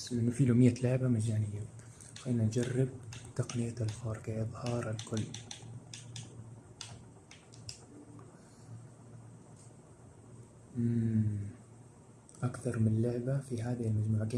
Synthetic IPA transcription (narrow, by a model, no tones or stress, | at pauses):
slʔɪnːʊfiːloːmɪjːalɪʕbamad͡ʒaːnɪjːa | xenand͡ʒarːɪb̚t̪aqnɪjaalfɑɾˤkaʔɨðˤhɑːɾˤalkʊlː | ʔakθɑɾˤmɪnlɪʕbafiɦaːðɪhɪlmad͡ʒmuːʕaɡa